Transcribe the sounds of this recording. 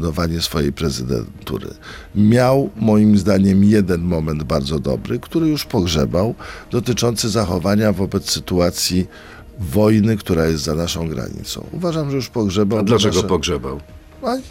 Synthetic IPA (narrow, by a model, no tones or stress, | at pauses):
nɔvaɲɛsfɔjejpɾɛzɘd̪ɛ̰nt̪ṵɾɘ̰ | mʲjawmɔjimzd̪aɲɛmjɛd̪ɛnmɔmɛnd̪baɾd̪zɔd̪ɔ̰bɾɘkt̪uɾɘjuʂpɔɡʐɛbawd̪̥ɔt̪ɘt͡ʂɔnt̪sɘzaxɔvaɲavɔbɛt̪ssɘt̪uat̪sʲji | vɔjnɘkt̪uɾajɛst̪zanaʂɔ̃w̃ɡɾa̰ɲḭt̪sɔ̰̃w̃uvaʐamʐɛjuʂpɔɡʐɛbawd̪laɛɡɔpɔɡʐɛbaw | a